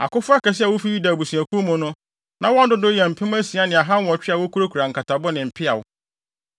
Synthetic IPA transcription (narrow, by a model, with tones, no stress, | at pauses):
a̰˨kʊ˦fʊ˦a˦kʰɛ˨s̬ɪ˦a˨wʊ˦fi˦ju˦da˨bu˨sũ˨æ˨kʰũ˦mʊ̃˨nʊ̃˦ | nã˨˦wɔ̃˦n˦dʊ˦dʊ˦jɛ˨m̩˨pʰɪ˦m˦æ˦si˨a˦nɪ̃˨a˨ɦã˦n˦wɔ̃˨t͡ɕᶣɪ˦a˨wo˦kʰu˦ɾo˦kʰu˨ɾa˨ŋ̩˨ka˨tʰa˨bʊ˦nɪ̃˨m̩˨pʰɪ˦a˨wʊ˦